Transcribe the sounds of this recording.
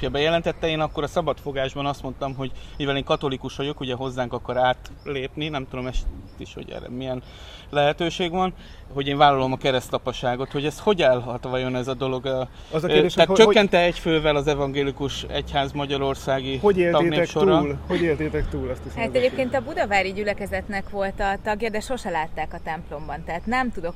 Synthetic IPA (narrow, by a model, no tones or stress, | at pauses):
jɒbɛjɛlɛnt̪ɛt̪ːɛeːnɒkːo̞ɾɒsɒbɒt̪fo̞ɡaːʒbɒnɒst̪mo̞nt̪ɒmɦo̞ɟmivɛleːŋkɒt̪o̞likuʃʋɒɟo̞kuɟɛɦo̞zːaːŋkɒkɒɾaːt̪leːpninɛmt̪ud̪o̞mɛʃt̪ːḭʃho̞̰ɟɛ̰ːrɛ̰miɛn | lɛɦɛt̪øːʃeːɡvɒn | ɦo̞ɟeːɱvaːlːɒlo̞mɒkɛɾɛst̪ɒpɒʃaːɡo̞t̪ho̞ɟɛst̪ho̞ɟɛlɦɒt̪ʋɒjo̞nɛzɒd̪o̞lo̞ɡ | ɒzked̪eːʃaːtt͡ʃøkːɛnt̪ɛɛcføːvɛlɒzɛvɒŋɡeːlikuʃɛ̰chaːzmɒɟɒɾo̞rsaːɡioeːltɒeneːʃoɾɒlhoeːlt̪et̪ɛkt̪uːlɛst̪iʃhaɛɟeːpkeːnt̪ɒbud̪ɒvaːɾiɟylɛkɛzɛt̪nɛkʋo̞lt̪ɒt̪ɒɡjɒd̪ɛʃo̞ʃɛlaːt̪ːaːkɒt̪ɛmplo̞mbɒnt̪ɛɦːt̪nɛmt̪ud̪o̞k